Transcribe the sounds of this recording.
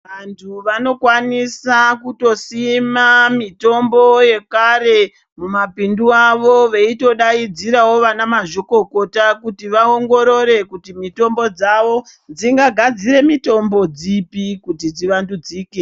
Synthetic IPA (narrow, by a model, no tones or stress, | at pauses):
ʋantʰuʋano̞kwanisakuto̞simamito̞mbo̞je̞kaɾe̞ | mumapinduaʋoʋeito̞ɗaid͡ziɾawo̞ʋanamaʒo̞ko̞ko̞takutiʋao̞ŋɡo̞ɾo̞ɾe̞kutimito̞mbo̞d͡zaʋo̞d͡ziŋɡaɡʱad͡ziɾe̞mito̞mbo̞d͡zipikutid͡ziʋandud͡ziːke